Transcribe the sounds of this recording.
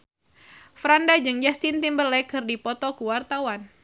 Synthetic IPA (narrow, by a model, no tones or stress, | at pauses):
fɾandad͡ʒɨŋd͡ʒast̪int̪imbəlɛkɨrdipɔt̪ɔkuwart̪awan